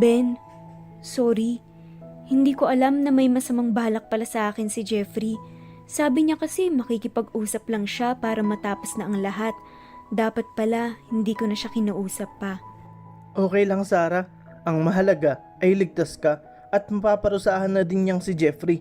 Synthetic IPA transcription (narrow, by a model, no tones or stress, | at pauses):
bɛn | soːɾi | hɪnd̪iːko̞ʔɐlamnɐmɐjmɐsɐmaŋbaːlɐk̚pɐlasɐʔaːkɪnsɪd͡ʒɛfɾi | saːbɪɲɐkɐsɛmɐkikɪpɐɡuːsɐplɐŋʃapaːɾɐmɐt̪aːposnɐʔɐŋlɐɦat̪̚ | d̪aːpɐt̪̚pɐlahɪnd̪iːkonɐʃakɪnaʔuːsɐpːɐ | ʔo̞ːkɛjlɐŋsaːɾɐ | ʔɐŋmɐɦɐlɐɡa | ʔɐjlɪɡ̚t̪askɐ | ʔɐt̪̚mɐpaːpɐɾʊsaːhɐnːɐd̪ɪnɲaŋsɪd͡ʒɛfɾi